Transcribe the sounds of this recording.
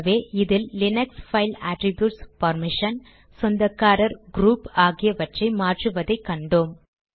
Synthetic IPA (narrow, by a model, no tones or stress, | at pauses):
ʋeːʔɪðɪllɪnɐksfɐɪlaːʈɾɪbjuːʈspɐɾmɪʂɐn | sɔnd̪ɐkːaːɾɐɾɡɾuːpaːɣɪjɐʋɐʈrɐɪmaːʈrɯʋɐðɐɪkːɐɳɖom